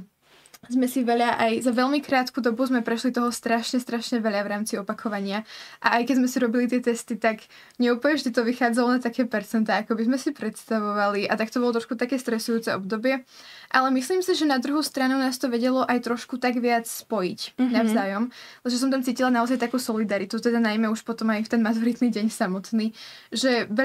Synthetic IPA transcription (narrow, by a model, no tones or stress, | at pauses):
zmɛsiʋɛʎaʔajzaʋɛʎmikɾaːt̪kud̪ɔbuzmɛpɾɛʃlit̪ɔɦɔst̪ɾaʃɲɛst̪ɾaʃɲɛʋɛʎavɾaːmt͡siɔpakʰɔʋaɲɪaʔa̰ajkɛzmɛsiɾɔbilit̪̬ɪɛt̪ɛst̪it̪aɡ | ɲɛuplɛɲɛʒɛd̪it̪ɔʋixaːd͡zalɔnat̪akɛːpɛɾt͡sɛnt̪aːakɔbizmɛsipɾɛt̪st̪aʋɔʋaliʔat̪akt̪ɔbɔlɔt̪ɾɔʃkut̪akɛːst̪ɾɛsujuːt͡sɛɔbd̪ɔbɪɛ | ʔalɛmisliːmsiʒɛnad̪ɾuɦust̪ɾanunaːst̪ɔʋɛɟɛlɔʔajt̪ɾɔʃkut̪aɡʋɪat͡sspɔjicnavzaːjɔmlɛʒɛs̬ɔmt̪̬amt͡siːcilanaɔzajt̪akuːsɔlid̪aɾit̪ut̪ɛd̪anajmɛuʃpɔt̪ɔmajft̪ɛnmat̪uɾit̪niːɟɛɲsamɔt̪niː | ʒɛʋɛ